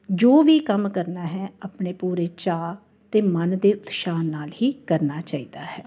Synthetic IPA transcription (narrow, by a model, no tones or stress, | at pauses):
d͡ʒoːʋiːkəmkəɾnaːɦɛːapɳeːpuːɾeːt͡ʃaː | t̪eːmənd̪eːʔʊd̪ʃaːnːaːlɦiːkəɾnaːt͡ʃaːiːd̪aːɦɛː